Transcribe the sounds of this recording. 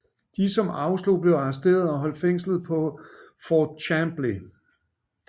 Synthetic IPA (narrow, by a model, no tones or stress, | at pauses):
d̥isɒ̽mɑ̈ʊslo̝b̥le̝ʊɑ̈s̬d̥e̝̰ːɐð̞̩ˠɒ̽ɦɒ̽l̰d̥feŋ̰slð̞̩ˠpʰɒ̽fɒːd̥̚t͡ɕʰæmb̥li